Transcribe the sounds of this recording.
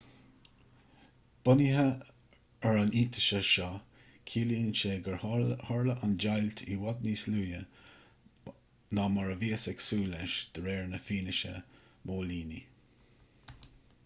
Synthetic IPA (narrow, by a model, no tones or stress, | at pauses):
b̥ʊniɦə | əɹaniːt̪ʰə̥ʃəʃɑ | kʰiːliənʃeɡəɹhɔɹləʔand͡ʒajlt̪ʰḭwad̪niːsluːjə | namaɹəviːəsɛksuːlɛʃd̪̥əɹɛːɹnəfiːnəʃə̰ | mʔoːliːnḭ